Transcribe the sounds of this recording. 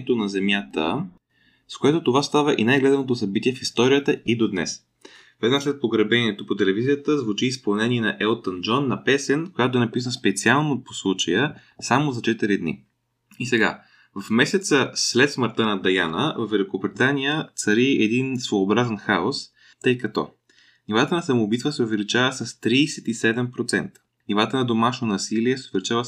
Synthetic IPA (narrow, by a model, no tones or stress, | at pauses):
ɛt̪onɐzɛmjat̪ə̰ | skoɛt̪ot̪ovast̪avəʔinajɡlɛd̪ənot̪osɐbit̪iɛfist̪ɔɾijət̪əid̪od̪nɛ̰s | vɛd̪naslɛt̪̚poɡɾɐbɛniɛt̪opot̪ɛlɛvizijət̪əzvut͡ʃiːspɐlˠnɛniɛnɐʔɛlˠt̪ənd͡ʒɔnːɐpɛsɛnkojat̪oɛnɐpisənspɛt̪sialˠnoposlˠut͡ʃəjə | samozɐt͡ʃɛt̪iɾid̪nḭ | isɛɡa̰ | vəfmɛsɛt̪səslɛt̪sməɾt̪ənɐd̪ɐjanə̰vɐvːɛlikobɾit̪anijət̪sɐɾiɛd̪insvoːbɾazənxaos | t̪ɤjkɐt̪ɔ̰ | nʲivat̪ənɐsɐmobit̪vəsɛʊvɛlit͡ʃavəsɐst̪ɾiːsɛt̪isɛd̪ɛmpɾot̪sɛ̰nt̪ə̥ | nivat̪ənɐd̪omaʃnonɐsiliɛsɛʊvɛlit͡ʃavə